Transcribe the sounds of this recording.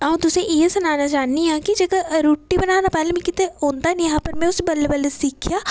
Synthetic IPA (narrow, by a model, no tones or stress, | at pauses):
ãt̪ʊsẽʔesɐnaːnat͡ʃaːniãːkid͡ʒekaɾuːʈːibɐnaːnapɛːlemɛ̃kɪt̪eõːnd̪anjɦãːpɐɾmɛ̃ːʊsbɐlebəlesiːkʰjaː